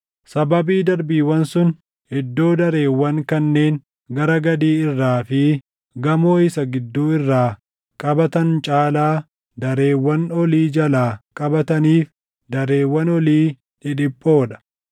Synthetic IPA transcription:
sɐbɐbiːd̪ɐɾbiːwɐnsʊn | hɛd̪ːo̞ːd̪ɐɾe̞ːwːɐŋkɐnːe̞ːn | ɡɐɾɐɡɐd̪iːɪrːaːfɪ | ɡɐmoːɪsɐɡɪd̪ːuːɪrːaː | kʼɐbɐt̪ɐnt͡ʃʼaːlaː | d̪ɐɾe̞ːwːɐnɔliːd͡ʒɐlaːkʼɐbɐt̪ɐniːf | d̪ɐɾe̞ːwːɐnɔliː | ᶑɪᶑɪpʼːo̞ːᶑɐ̥

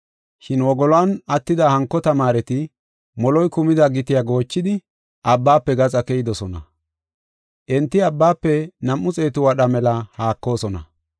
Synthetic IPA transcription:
ʃɪnwɔɡɔlaːnɐt̪ːɪd̪ɐhɐŋkːɔt̪ɐmaːɾɛt̪ɪ | mɔlɔjkʊmɪd̪ɐɡɪt̪ɪjaɡo̞ːt͡ʃːɪd̪ɪ | ʔɐbːaːpːɛɡɐt͡sʼɐkɛjɪd̪ɔsɔnɐ̰ | ʔɛnt̪ːɪɐbːaːpːɛnɐmːʊt͡sʼe̞ːt̪ʊwɐɗɐmɛlɐhaːkːo̞ːsɔnɐ̰

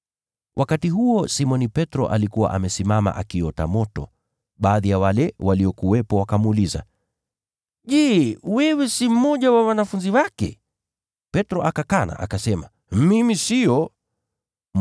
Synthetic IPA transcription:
wʔakatiɦuɔsimɔnipɛtɾɔ̰ʔalikuwa̰ʔamɛsimama̰ʔakiɔta̰mɔtɔ | ɓaːðijawalɛwaliɔkuwɛpɔwakamuːliza̰ | ʄɛwɛwɛsim̩mɔʄawawanafunziwakɛ̰ | pɛtɾɔʔakakana̰ʔa̰kasɛma | mimisijɔ

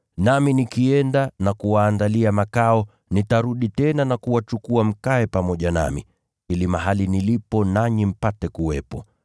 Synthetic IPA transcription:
naminikiɛndanakuwaːndaliamakaɔ | nitaɾuɗitɛnanakuwat͡ʃukuam̩kaɛpamɔʄana̰mḭ | hilimaɦalinilipɔnaɲim̩patɛkuwɛpɔ

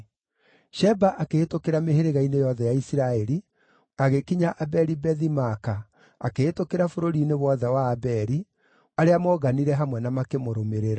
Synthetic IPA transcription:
ʃɛbaʔakeːtokeɾameheɾeɣainejɔðɛjaisiɾaɛɾi | aɣekiɲaʔabɛɾibɛðimaka | akeetokeɾafoɾoɾineβwɔðɛwaːbɛɾi | aɾeamɔɣaniɾɛɦamwɛnamakemoɾomeɾeɾa

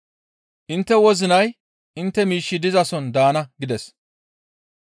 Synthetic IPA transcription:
ʔɪnt̪ːɛwɔzɪnɐj | ʔɪnt̪ːɛmiːʃːɪd̪ɪzɐsɔnd̪aːnɐɡɪd̪ɛs

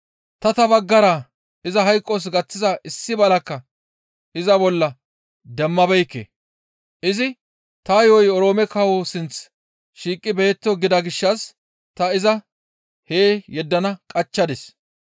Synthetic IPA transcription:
t̪ɐt̪ɐbɐɡːɐɾa | ɪzɐɦɐjkʼːɔs̬ɡɐt͡sːɪzɐʔɪsːɪbɐlɐkːɐ | ɪzɐbɔlːɐ | d̪ɛmːɐbɛjkːḛ | ʔɪzɪ | t̪ɐjojɔɾo̞ːmɛkɐwosɪnt͡s | ʃiːkʼːɪbe̞ːt̪ːɔɡɪd̪ɐɡɪʃːɐs | t̪ɐɪzɐ | heːjɛd̪ːɐnɐkʼɐt͡ʃːɐd̪ɛs

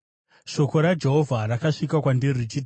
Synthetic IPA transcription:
ʃo̞ko̞ɾad͡ʒe̞ɦo̞vʱarakaʂikakwandirit͡ʃi

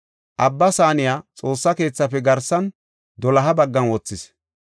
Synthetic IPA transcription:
ʔɐbːɐsaːnɪjaːt͡sʼo̞ːsːɐke̞ːt͡sːɐpɛɡɐɾsɐn | d̪ɔlɐɦɐbɐɡːɐnwɔt͡sːɪs

